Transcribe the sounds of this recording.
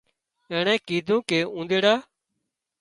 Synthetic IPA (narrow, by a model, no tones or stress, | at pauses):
ẽːɳɛ̃ːkiːd̪ʱũːkeːũːnd̪eːɽaː